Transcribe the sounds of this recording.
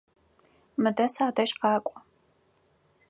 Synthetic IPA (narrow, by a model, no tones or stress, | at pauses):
mɨdɐsaːdɐʃqɑːkʷʼɔ